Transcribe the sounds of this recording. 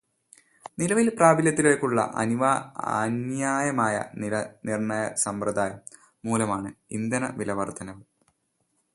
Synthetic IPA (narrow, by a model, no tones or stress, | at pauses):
nilɐʋilpraːbiljɐt̪̬ːileːkːuɭːɐ̰ʔɐ̰niʋa̰njaːjɐmaːjɐ̰nɐnirɳɐjɐsɐmprɐd̪aːjɐmː | uːlɐmaːɳɨind̪ɐnɐ̰ʋilɐʋɐrt̪ʰɐnɐʋɨ